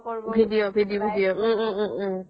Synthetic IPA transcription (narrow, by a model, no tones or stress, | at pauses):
bʱiɖijobʱidijobʱidijo